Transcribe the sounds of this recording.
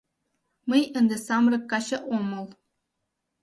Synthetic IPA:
məjənd̪esɑmrɤ̆kːɑɕɤ̆ʔomɤ̆lˠ

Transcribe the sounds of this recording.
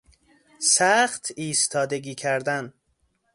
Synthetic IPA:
sæxt̪ʰiːst̪ʰɒːd̪eɡiːcʰæɾd̪æn

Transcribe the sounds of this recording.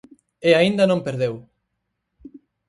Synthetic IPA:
eaind̪ɐnõmpeɾðew

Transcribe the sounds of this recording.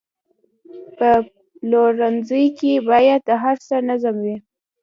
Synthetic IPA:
pə | loɾanzəjkebɑjad̪̚d̪əɦaɾsənazamwi

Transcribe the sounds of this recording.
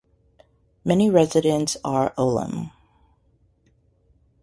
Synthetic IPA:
mɛniɹɛzɨɾɨ̃ntsə˞ʔoʊlˠə̰̃m

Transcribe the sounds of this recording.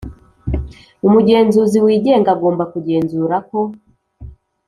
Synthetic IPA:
umuɟe̞ːnzuziwiːɟeːŋɡaɡo̞ːmbakuɟe̞ːnzuːɾako̞

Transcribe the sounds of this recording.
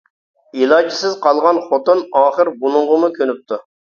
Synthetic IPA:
ilˠɑːd͡ʒisɪzqɑlˠʁɑnχot̪unɑːχəɾbunʊɴʁəmukʲʰønyp̚t̪ʰu

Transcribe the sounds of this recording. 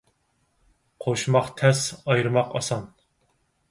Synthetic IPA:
qʰoʃmɑχt̪ʰɛsɑjɾɨmɑqɑ̰sɑn

